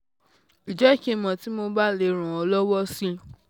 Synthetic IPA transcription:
i˨d͡ʒɛ˦˨ke˧mɔ̃˨ti˨˦mo˧ba˦le˧ɾ̃ũ˨ɔ˧lɔ˦wɔ˦si˦

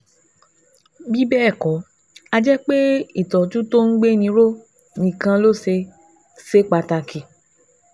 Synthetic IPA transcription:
bi˦bɛ˦˨kɔ˨˦ | a˧d͡ʒɛ˦k͡pe˦i˦˨tɔ˨tu˦to˦n̩˦ɡ͡be˦nĩ˧ɾo˦ | nĩ˨kã˧lo˦se˧ | se˦k͡pa˧ta˧ki˨

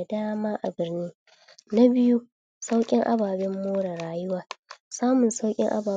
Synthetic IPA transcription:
a˨daː˦maː˦ʔa˨bɪ˨rniː˦ | na˦bɪ˦ju˦ | sa˦wkʲʼɪ˦ŋʔa̰˦baː˨bɪ˦mːoː˦ɽa˨ɽaː˨jʊ˦waː˨saː˦mʊ˨nsa˦wkʲʼɪ˦ŋʔa̰˦baː˨

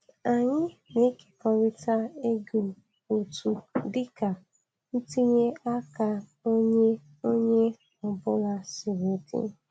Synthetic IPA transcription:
a˨ɲɪ̃˦ne˨˦ki̥˨pɔ˦ɾi˦ta˦e˦ɡu˨ | wo˨tu˨di˦ka˨ | n̩˦ti˦ɲe˦a˦ka˦o˦ɲe˦ | o˦ɲe˦ | ɔ˨bɔ˦ɾa˦si˨we˨tḭ˦

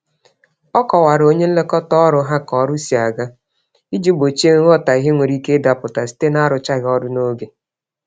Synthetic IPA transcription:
ɔ˦kɔ˨wa˨ɾo˦ɲe˦n̩˦le˦kɔ˦tɔ˦ɾʊ˦ɦa˦kɔ˨˦ɾʊ˦si˨a˨ɡa˦ | i˦d͡ʒi˦bo˨t͡ʃe˦ɣɔ˦ta˨i˨ɦe˦ŋʷe˨ɾi˦ke˦da˨pʊ˨ta˨si̥˦te˦na˦ɾʊ˨t͡ʃa˦ɣɔ˦dʊ˦no˦ɡe˨

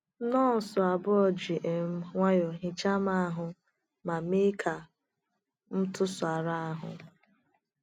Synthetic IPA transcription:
nɔ˦˨sʊ˨a˨bʊ˦ɔ˨d͡ʒi˨ʔe˨˦ŋʷa˦jo˨ɦi˨t͡ʃa˦ma˦a˦ɦʊ˨ | ma˨mi˦kʰa˨ | n̩˦tʊ˦sʊ˨a˨ɾa˦a˦ɦʊ̰˨

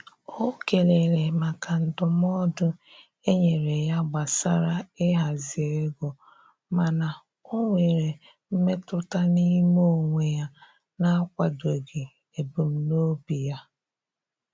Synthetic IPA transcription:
o˦ke˨ɾe˨ɾe˨ma˨ka˨n̩˨dʊ˨m˦ɔ˦dʊ˦ | e˦ɲe˨ɾe˨ja˦ɡ͡ba˨sa˦ɾa˦ɪ˦ɦa˨zɪ˨e˦ɡʊ˨ | ma˨na˨ | o˦ŋʷe˨ɾe˨ | m̩˦me˦tʊ˦ta˦ni˦mo˦˨ŋʷe˨ja˦ | na˦kʷa˨do˨ɡe˨ | e˨bu˨m̩˦no˦bi˨ja˦

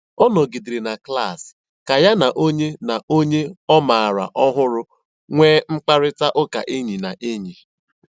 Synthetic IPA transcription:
ɔ˦nɔ˨ɡi˨dɪ˨ɾi˨na˨kla˦˨s | ka˨ja˦na˨ʔo˦ɲe˦na˨ʔo˦ɲe˦ɔ˦ma˨a˨ɾa̰˨ʔɔ˦ɦʊ˦ɾʊ˦ | ŋʷeː˦ŋ͡m̩˦k͡pa˦ɾɪ˦ta˦ʔʊ˦ka̰˨ʔi˦ɲi˨na˨ʔe˦ɲi˨

